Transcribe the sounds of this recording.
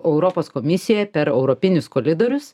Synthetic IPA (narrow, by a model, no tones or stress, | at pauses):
ɛʊɾɔpoːskomʲɪsʲɪjɛpʲɛɾɛʊɾɔpʲɪnʲʊskoːlʲɪd̪oːɾʲʊs